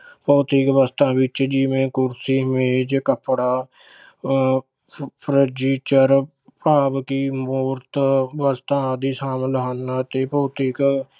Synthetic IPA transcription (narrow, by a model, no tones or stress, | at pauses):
pəːt̪ɪkʋəst̪ãːʋɪt͡ʃd͡ʒɪʋẽːkʊɾsiːmẽːd͡ʒkəpɽaː | pʰɾəd͡ʒiːt͡ʃəɾ | paːbkiːmoːɾt̪ʋəst̪ãːd̪iːsaːmləɦaːnːaːt̪eːpəːt̪ɪk